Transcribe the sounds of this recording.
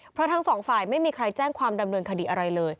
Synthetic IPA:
pʰɾɔ˦˥t̪ʰa˦˥ŋsɔː˩˦ŋfaː˨˩jma˥˩jmiː˧kʰɾa˧jt͡ɕɛː˥˩ŋkʰwaː˧mda˧mnɤː˧nkʰa˧diː˨˩ʔa˧ɾa˧jlɤː˧j

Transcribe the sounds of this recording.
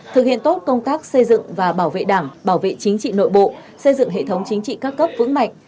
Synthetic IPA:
t̪ʰɨ˨˩k̚hḭ˧˨ənt̪o˦˥t̚kə˧wŋ͡mt̪aː˦˥k̚sə˧jzɨ̰˧˨ŋvaː˨˩ɓaː˧˩wvḛ˧˨ɗaː˧˩ŋɓaː˧˩wvḛ˧˨t͡ɕi˨˦ŋ̟t͡ɕḭ˧˨no̰˧˨jɓo̰˧˨ | sə˧jzɨ̰˧˨ŋɦḛ˧˨t̪ʰə˨˦wŋ͡mt͡ɕï˨˦ŋ̟t͡ɕḭ˧˨kaː˦˥kːə˦˥p̚vɨ̰˧˥ŋma̰˧˨jŋ̟

